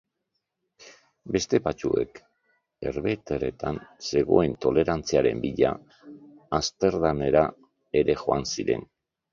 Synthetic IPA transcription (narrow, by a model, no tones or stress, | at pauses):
be̞st̪e̞bat͡ʃue̞̰k | e̞ɾβe̞t̪ere̞t̪anse̞ɣo̞̰e̞nt̪o̞le̞ɾant͡siaɾe̞̰mbiʎa̰ː | st̪e̞ɾðane̞ɾa | e̞ɾe̞ʝo̞ansiɾe̞̰n